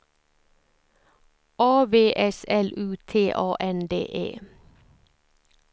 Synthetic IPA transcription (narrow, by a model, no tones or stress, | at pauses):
ʔɑːʋeːʔɛsɛlʉːt̪ʰeːʔɑːʔɛnd̪ḛːʔḛː